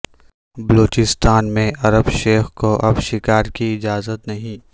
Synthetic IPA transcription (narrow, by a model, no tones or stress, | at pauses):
bɐloːt͡ʃɪst̪aːnmẽɐɾəbʃeːxkoʔɐbʃɪkaːɾkiɪd͡ʒaːzət̪nɐɦĩː